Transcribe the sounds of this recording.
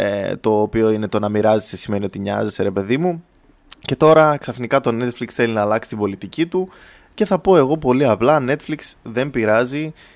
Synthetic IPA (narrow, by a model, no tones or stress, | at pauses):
et̪o̞ːpio̞ine̞t̪o̞nɐmiɾɐzisesime̞nio̞t̪iɲɐ̰zeseɾe̞pe̞ðimu | ce̞t̪o̞ɾɐksɐfnikɐt̪o̞ne̞t̪fliksθe̞linɐːlɐksi̥t̪ibo̞lit̪icit̪u | ce̞θɐpo̞e̞ɣo̞po̞liɐplɐne̞t̪fliksðe̞mbiɾɐzi